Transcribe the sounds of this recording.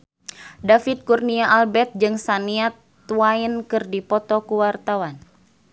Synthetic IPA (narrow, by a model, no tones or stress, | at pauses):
dafit̪̚kurniaʔalbɛt̪̚d͡ʒɨŋsaniat̪ː | uainkɨrdipɔt̪ɔkuwart̪awan